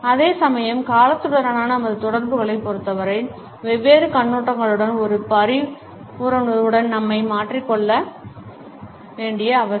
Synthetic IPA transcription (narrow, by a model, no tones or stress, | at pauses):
ɐðeːsɐmɐjɐmkaːlɐt̪ːɯɽɐɾanaːnɐɐmɐðɯt̪ɔɽɐɾbɯɣɐɭɐɪpːɔɾɯt̪ːɐʋɐɾɐɪ | ʋɛʋːeːɾɯkɐɳːoːʈrɐŋɡɐɭɯɽɐnɔɾɯpɐɾɪ | ʊɾɐnɯɯɽɐnnɐmːɐɪmaːʈrikːɔɭːɐ | ʋeːɳɖɪjɐɐʋɐ